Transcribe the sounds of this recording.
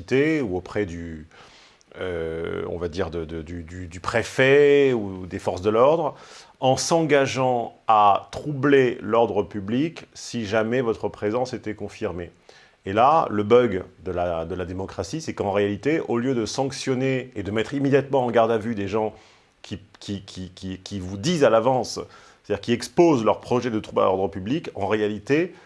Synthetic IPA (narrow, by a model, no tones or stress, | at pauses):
t̪euopχɛd̪y | ø̰ɔ̰̃vad̪iʁd̪əd̪əd̪yd̪yd̪ypχefɛud̪efɔʁsd̪əlɔʁd̪ʁ | ɑ̃sɑ̃ɡaʒɑ̃at̪χublelɔʁd̪ʁəpybliksiʒamɛvɔt̪χəpχezɑ̃set̪ɛkɔ̃fiʁmeː | laləbœɡd̪əlad̪əlad̪emɔkχasisɛkɑ̃ʁealit̪eʔoljød̪əsɑ̃ksjɔneed̪əmɛt̪χimed̪jat̪mɑ̃ɑ̃ɡaʁd̪avyd̪eʒɑ̃ | kʲʰikʲikʲʰikʲikʲivud̪izalavɑ̃s | et̪ad̪iʁkʲiɛkspozlœʁpχɔʒɛd̪ət̪χubla̰lɔ̰ʁd̪ʁəpyblikɑ̰̃ʁealit̪e